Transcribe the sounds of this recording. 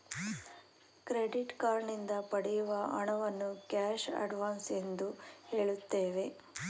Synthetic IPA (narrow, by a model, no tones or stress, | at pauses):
kɾeɖiʈkaːɾɳind̪ɐpɐɽɛjuʋɐɐɳɐʋɐnːukaːʃɐ̰ɖʋaːnsend̪uhe̞ːɭut̪ːeːʋe̞